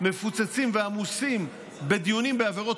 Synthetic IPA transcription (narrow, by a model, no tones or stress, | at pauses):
me̞fut͡sat͡simveamusim | be̞d̪ijunimbeaveʁo̞t